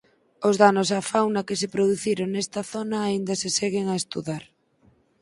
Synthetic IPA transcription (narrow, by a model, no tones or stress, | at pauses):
ozðanosafawnɐkesepɾoð̞uθiɾoŋnɛst̪ɐθonɐːind̪ɐsesɛɣeŋaest̪uðaɾ